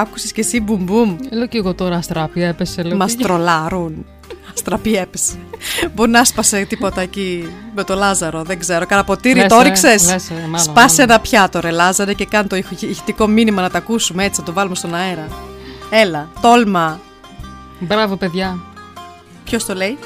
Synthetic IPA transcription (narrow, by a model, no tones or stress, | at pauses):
ɐku̥sescesibumbumeloceɣot̪o̞ɾɐɐst̪ɾɐpiepeselmɐst̪ɾo̞lɐɾun | ɐst̪ɾɐpiepese̥boɾinɐɐspɐset̪ipo̞t̪ɐecimet̪o̞lɐzɐɾo̞ðeɡze̞ɾo̞kɐnɐpo̞t̪iɾioɾiksse̞sesɐspɐsenɐpçɐt̪oɾelɐzɐɾece̞kɐnt̪oʝit̪iko̞minimɐnɐt̪ɐkusumee̞t͡si̥nɐt̪ovɐlume̞st̪o̞nɐeɾɐe̞lɐt̪o̞lmɐ | bɾɐvope̞ðʝɐ | pço̞st̪o̞le̞i